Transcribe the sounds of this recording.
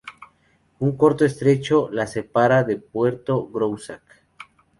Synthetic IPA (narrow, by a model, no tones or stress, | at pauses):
uŋko̞ɾt̪oest̪ɾet͡ʃo̞lasepaɾaðepwe̞ɾt̪o̞ɣɾowsak